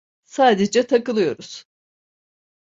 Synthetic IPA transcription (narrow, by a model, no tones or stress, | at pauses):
saːd̪ed͡ʒɛt̪ʰakɯlˠɯjo̞ɾuz̥